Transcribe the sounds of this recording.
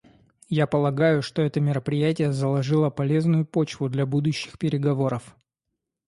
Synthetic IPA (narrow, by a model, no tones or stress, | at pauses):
japəlˠɐɡajʊʂt̪o̞ɛt̪əmʲɪɾəpɾʲɪjætʲɪjəzəlˠɐʐɨlˠəpɐlʲe̞znʊjʊpot͡ɕvʊd̪lʲabud̪ʊɕːɪ̥xpʲɪɾʲɪɡɐvo̞ɾəf